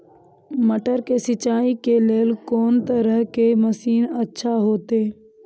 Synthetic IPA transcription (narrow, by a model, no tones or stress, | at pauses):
məʈəɾkesɪt͡ʃaːikeleːlkoːnt̪əɾəɦkeməsiːnətːʃʰaɦoːt̪eː